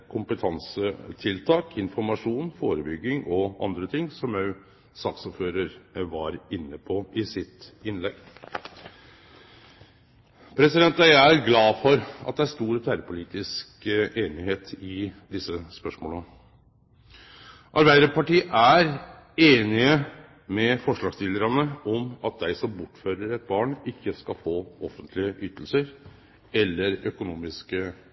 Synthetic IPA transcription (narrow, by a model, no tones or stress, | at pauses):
kʰʊmpət̪ʰɑnsət̪ʰɪlt̪ʰɑːkʰɪnfɔɾmɑʂuːnfoːɾəbʏɡːɪŋʔɔʔɑ̰nd̪ɾət̪ʰɪŋːsɔmjœʉ | sɑːksɔføːɾəɾʋɑɾɪnːəpʰɔʔɪsɪt̪ɪnlɛɡ | pʰɾɛsɪd̪ɛnt̪ææɾɡlɑːfɔɾɑt̪̚d̪ɛæʂt̪uːɾɔt̪ʰæːɾəpʰʊliːt̪ɪskʔeːnɪheːt̪ʰɪd̪ɪsːəspœʂmoːl | ʔɑɾbæɪd̪əɾpɑʈiːʔæɾ | eːnɪə | mɛfɔʂɭɑːɡst̪ɪləɾɑnəɔmɑt̪̚d̪æɪsɔmbʊʈːføːɾəɾɛt̪̚bɑːɳɪkːəskɑfoːɔfənt̪ʰlɪəʔyːt̪əl̩səɾ | ɛlːəɾœkʊnuːmɪskə